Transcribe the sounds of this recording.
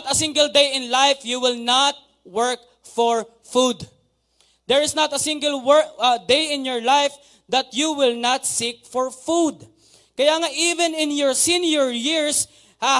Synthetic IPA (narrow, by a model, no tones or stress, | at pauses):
t̪ɐsɪ̃ŋɡəld̪ejɪ̃nlajfjuwɪlnat̪̚ | wɛɹk̚ | fɔɹ | fud̪ | d̪ɛɹɪsnɐt̪ɐsɪ̃ŋɡəlwɛɹkɐd̪ejɪ̃njɔɹlajf | d̪ɐt̪̚juwɪlnat̪̚sik̚fɔɹfud̪ | kɐjaːŋaʔivɛ̃nɪ̃njɔɹsĩnjʊɹjɪɹs | ha